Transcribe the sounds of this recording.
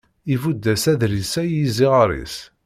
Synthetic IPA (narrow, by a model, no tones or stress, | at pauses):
ivud̪ːæsæðlisæjiziʁəɾˤḭs